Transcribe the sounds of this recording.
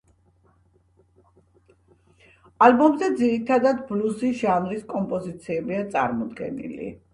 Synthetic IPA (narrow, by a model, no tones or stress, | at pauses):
albɔmzɛd̪ziɾit̪ʰad̪ad̪bluziʒanɾiskʼɔmpʼɔzit̪sʰiɛbiat̪sʼa̰ɾmɔd̪ɡɛ̰nḭlḭ